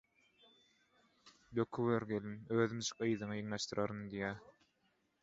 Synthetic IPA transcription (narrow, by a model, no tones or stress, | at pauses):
b̪økʰywøɾɡelinøːðymt͡ʃʰɯ̥qɯjðɯŋɯjɯŋlɑʃt̪ɯɾʔɑɾɯnd̪ijæː